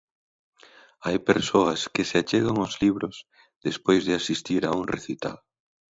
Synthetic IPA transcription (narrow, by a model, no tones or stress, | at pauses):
ajpeɾsoɐskɪseat͡ʃeɣaŋʊzliβɾʊz̥ | ðespojzðɪasist̪iɾauŋrḛθit̪a̰l